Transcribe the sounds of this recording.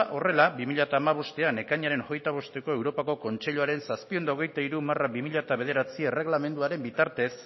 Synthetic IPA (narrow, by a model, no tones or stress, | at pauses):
ʔo̞re̞labimiʎat̪aːmaβ̞o̞st̪e̞ane̞kaɲaɾe̞nxo̞jt̪aβ̞o̞st̪e̞ko̞e̞wɾo̞pako̞ko̞nt͡ʃe̞ʎuaɾe̞nsaspio̞nd̪aoɣe̞jt̪aiɾumarabimiʎat̪aβe̞ðe̞ɾat͡siere̞ɣlame̞nd̪uaɾe̞mbit̪aɾt̪e̞s